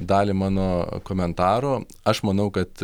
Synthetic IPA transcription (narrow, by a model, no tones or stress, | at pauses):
d̪ɑːlʲɪmɑːnoːkoːmʲɛnt̪ɑːɾoː | ɐʃmɐnɐʊkɐt̪